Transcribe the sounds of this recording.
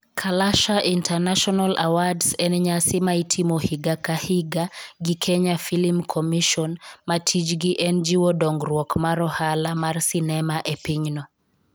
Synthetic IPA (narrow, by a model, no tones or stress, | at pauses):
kʰalaʃaʔintɛrnaʃɔnala̰wadsɛnɲasɪmaitʰimɔhiɡakahiɡaɡikʰɛɲafilimkʰɔmiʃɔnmatʰid͡ʒɡiʔɛnd͡ʒiwɔdɔŋɡɾwɔkmaɾɔhalamarsinɛmaʔepiɲnɔ